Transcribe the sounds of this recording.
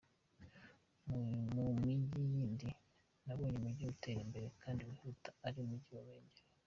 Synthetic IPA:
mmumiɟijiːndi | naβoːɲemuɟiute̞ɾimbe̞ɾe̞kʰaːndiwihutaaɾiumuɟiwaweːɲɟeɾe

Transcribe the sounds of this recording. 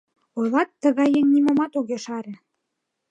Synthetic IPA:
ojlɑt̪ːə̆ɣɑjːeŋnimomɑt̪oɣeʃɑɾĕ

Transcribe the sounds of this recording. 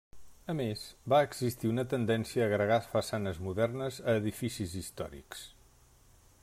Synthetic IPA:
əmezbaəɡz̥ist̪iunət̪ənd̪ɛnsiəːɣɾəɣasfəsanəzmuðɛrnəzəːðifisizist̪ɔ̰ɾḭks

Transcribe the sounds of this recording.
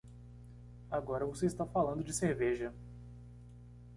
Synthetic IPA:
aɡɔɾɐvoseist̪afalɐ̃nd̪ʊd͡ʒɪseɾveʒɐ

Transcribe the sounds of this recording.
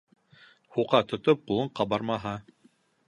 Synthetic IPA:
huqɑt̪ŏt̪op̚qulˠɤɴqɑbɑɾmɑɦɑ

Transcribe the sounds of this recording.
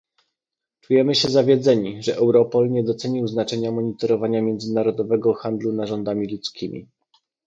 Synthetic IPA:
t͡ʂujɛmɘɕɛzavʲjɛd̪zɛɲiʐɛʔɛwɾɔpɔlɲɛd̪ɔt̪sɛɲiwznat͡ʂɛɲamɔɲit̪ɔɾɔvaɲamʲjɛnd̪zɘnaɾɔd̪ɔvɛɡɔxand̪lunaʐɔnd̪amʲilut̪skʲimʲḭ

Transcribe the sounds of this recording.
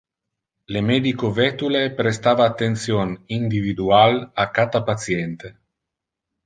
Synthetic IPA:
lemɛd̪ikovɛt̪ulepɾest̪aːvaːt̪ːent̪sjonind̪ivid̪ualakːat̪apat̪sjɛnt̪e

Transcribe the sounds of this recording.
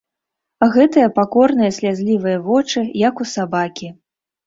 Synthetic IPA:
ɣɛt̪ɨjɐpakɔrn̪ɨjɐsʲlʲazʲlʲivɨjɐvɔt͡ʂɨjɐkusabakʲi

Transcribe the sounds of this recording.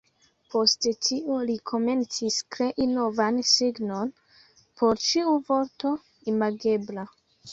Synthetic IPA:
po̞stetʰiulikʰo̞me̞nt͡siskɾe̞ʔino̞vansiɡno̞n | pʰo̞ɾt͡ʃiuvo̞ɾto̞ | imaɡe̞bla

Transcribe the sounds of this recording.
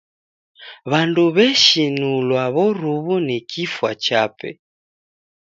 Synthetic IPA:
βanduβɛʃinulwaβɔɾuβunɛkʰifwat͡ʃapɛ̰

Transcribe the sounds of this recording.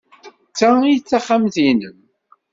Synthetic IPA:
t͡sːait͡sːaχːamθinəm

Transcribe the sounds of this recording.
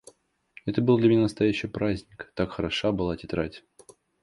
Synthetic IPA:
ɛt̪əbɨlˠd̪lʲɪmʲɪnʲanəst̪ɐjæɕːɪpɾazʲnʲɪkt̪akxəɾɐʂabɨlˠatʲɪt̪ɾatʲ

